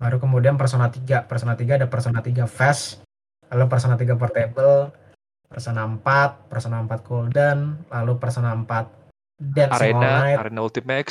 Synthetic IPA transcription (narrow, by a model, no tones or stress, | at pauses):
baɾukəmudianpərsonat̪iɡapərsonat̪iɡaːdapərsonat̪iɡafɛs | lalup̬ərsonat̪iɡap̬ərt̪ebəl | pərsonampat̪̚pərsonampat̪̚koldənlalupərsɔnaəmpat̪̚ | dɛnsenannajɾenault̪imɛk